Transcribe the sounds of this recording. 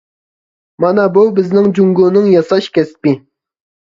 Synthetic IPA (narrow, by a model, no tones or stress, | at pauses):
mɑnɑbubɪznɪŋd͡ʒuŋɡunɨŋjɑsɑʃkʲɛspi